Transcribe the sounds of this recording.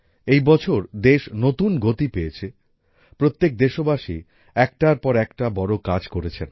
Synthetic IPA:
ejbɔt͡ɕʰoɾd̪eʃnot̪unɡot̪ipejet͡ɕʰe | pɾot̪ːek̚d̪eʃobaʃi | ɛk̚ʈaɾpɔɾɛkʈabɔɾokad͡ʑkoɾet͡ɕʰen

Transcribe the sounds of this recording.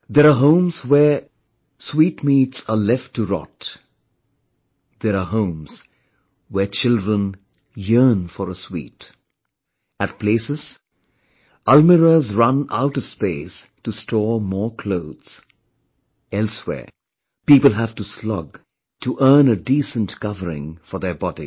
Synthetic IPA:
ðɛɾaɦõʊ̃mzwɛ | swiːtmiːtsəlɛftʰːuɹɔ̰t | ðɛɾaɦõʊ̃mz̥ | wɛt͡ʃʰɪldɹə̃n | jɜ˞nfɔɾəswḭːt | æt̚pʰleɪsɨz̥ | ʌlməɹəzɹʌ̃na̰ʊɾʌv̥speɪstustʰɔːmɔːɹkʰl̥oʊdz̥ | ɛlˠswɛ̰ːɹ | piːpəl̩ˠɦæv̥tuslɔ̰ɡ | tʰuʔɜ˞nədisə̃ntkʌvəɹɪ̰̃ŋfɔ˞ðə˞bɑdḭ

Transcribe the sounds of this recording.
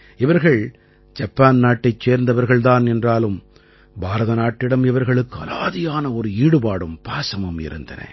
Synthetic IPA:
ɪʋɐɾɣɐɭ | d͡ʒɐpːaːnnaːʈːɐɪt͡ʃːeːɾnd̪ɐʋɐɾɣɐɭd̪aːnɛndraːlɯm | bʱaːɾɐðɐnaːʈːɪɽɐmɪʋɐɾɣɐɭɯkːɯɐ̰laːðɪjaːnɐɔɾɯiːɽɯpaːɽɯmpaːsɐmɯmɪ̰ɾɯ̰nd̪ɐ̰nɐ̰

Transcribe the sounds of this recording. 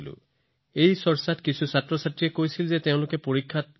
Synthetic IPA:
lṵ | ejsɔɹsatkisʰusatɹɔsatɹiekojsilzet̪eʊ̃lʊkepoɹikʰːat̪̚

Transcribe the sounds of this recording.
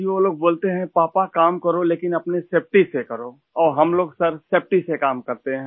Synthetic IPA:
iʋoːloːɡ̚boːlt̪eɦɛ̃paːpakaːmkɐɾoleːkɪnɐpneseːp̚ʈisekɐɾo | ɔːɾɦɐmloːɡsɐɾseːp̚ʈisekaːmkɐɾt̪eɦɛ̃

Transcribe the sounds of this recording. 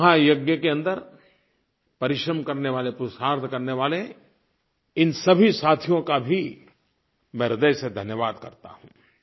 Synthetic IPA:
ɦãjɐɡjəkeɐ̃nd̪əɾ | pɐɾɪʃɾəmkɐɾneʋaːlepɾʊsaːɾt̪ʰkɐɾneʋaːle | ɪnsɐbʱisaːt̪ʰijõkabʱi | meɾəd̪əjsed̪ʱɐnjəʋaːd̪kɐ̰ɾt̪a̰ɦṵ̃ː

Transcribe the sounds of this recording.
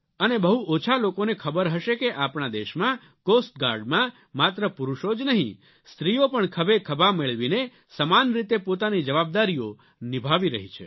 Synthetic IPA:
ənebəɦuot͡ʃʰalokonekʰəbəɾɦəʃekeʔapɳad̪eʃmã | kosʈɡaɾɖmã | mat̪ɾəpuɾuʃod͡ʒnəɦḭ̃ | st̪ɾijopəɳkʰəbekʰəbʱameɭʋine | səmanɾit̪epot̪anid͡ʒəʋab̚d̪aɾijo | nibʱaʋiɾəɦit͡ʃʰe

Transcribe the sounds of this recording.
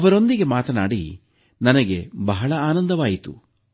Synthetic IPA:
ɐʋɐɾo̞nd̪iɡe̞maːt̪ɐnaːɽḭ | nɐnɐɡe̞bɐɦɐɭɐaːnɐnd̪ɐʋaːjit̪ṵ

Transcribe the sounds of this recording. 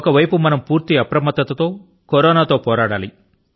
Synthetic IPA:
kɐʋɐjpumɐnɐmpuːɾt̪iɐpɾɐmɐt̪ːɐt̪ɐt̪o̞ː | koɾɔːnaːt̪o̞ːpɔːɾaːɽaːli

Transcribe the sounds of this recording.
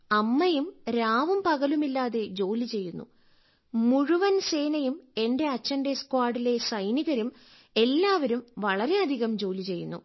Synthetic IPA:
ɐmːɐjumɾaːʋumpɐɣɐlumilːaːðe̞d͡ʑo̞ːlit͡ɕe̞jːunːṵ | muɻuʋɐnse̞ːnɐjume̞nde̞ɐt͡ɕːɐnde̞skwaːɽile̞sɐjniɣɐɾum | e̞lːaːʋɐɾumʋɐɭɐɾe̞ɐd̪ʱiɣɐmd͡ʑo̞ːlit͡ɕe̞jːunːṵ

